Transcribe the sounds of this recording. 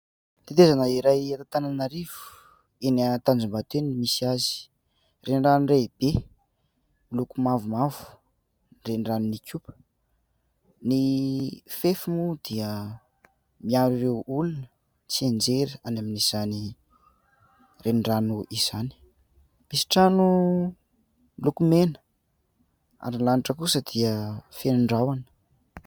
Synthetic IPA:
t̪it̪ezanəiɾajat̪at̪ananaɾiv̥u̥ | enat̪and͡zumbat̪enimisiazi̥ | rʔeɳɖ͡ʐanreb̥e | milukumavumavu̥ | nrenɳranunikʲupə̥ | ni | fefimud̪iə | miaɾiɾewulunə | t͡siend͡zeɾianaminiz̥ani | renɳɖ͡ʐanuʔiz̥ani̥ | misi̥ʈ͡ʂanu | mlukumenə̥ | a̰ɾinlaniʈ͡ʂəkusəd̪iəfenuɳɖ͡ʐawanə̥

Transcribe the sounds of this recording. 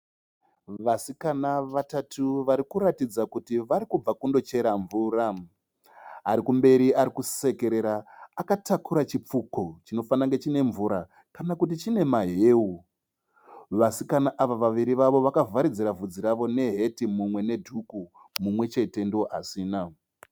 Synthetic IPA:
ʋasikanaʋatatʰuʋaɾikuɾatid͡zakutiʋaɾikub͡vakundo̞t͡ʃe̞ɾaɱvuːra | ɦaɾikumbe̞ɾiaɾikuse̞ke̞ɾe̞ɾaːkatakuɾat͡ʃip͡fuko̞t͡ʃino̞fanaŋɡe̞t͡ʃine̞ɱvuɾa | kanakut̬it͡ʃine̞maɦe̞ːu | ʋasikanaʔaʋaʋaʋiɾiʋaʋo̞ʋakavʱaɾid͡ziɾavud͡ziɾaʋo̞ne̞ɦe̞timumwe̞ne̞dʱuku | mumwe̞t͡ʃe̞te̞ndio̞ʔasiːna

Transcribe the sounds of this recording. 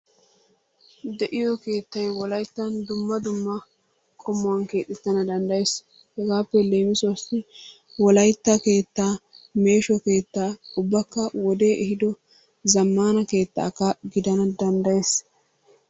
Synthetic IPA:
d̪ɛʔɪjɔke̞ːt̪ːɐjwɔlɐjt̪ːɐnd̪ʊmːɐd̪ʊmːɐ | kʼɔmːʊwɐnke̞ːt̪ʼːɪt̪ːɐnɐd̪ɐnd̪ɐjes | hɛɡaːpːɛleːmɪsɔsɪ | wɔlɐjt̪ːake̞ːt̪ːaː | me̞ːʃɔke̞ːt̪ːaːʊbːɐkːɐwɔd̪e̞ːʔɛɦɪd̪ɔ | zɐmːaːnɐke̞ːt̪ːa̰ːkːɐɡɪd̪ɐnɐd̪ɐnd̪ɐjes

